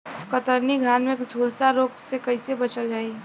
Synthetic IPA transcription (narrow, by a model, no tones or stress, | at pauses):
kət̪əɾniɡʱaːnmẽkd͡ʒʱuːlsaɾoːɡsekəɪsebət͡ʃəld͡ʒaːi